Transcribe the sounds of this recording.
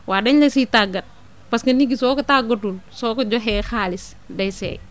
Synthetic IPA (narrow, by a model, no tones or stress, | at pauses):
wʔaːdɐɲlɐsitaɡɐt̚ | pɐskɐniɡisɔːkɐtaɡɔtulsɔːkɐd͡ʒɔɦɛːxaːlɪs | dɐjsɛ̰ː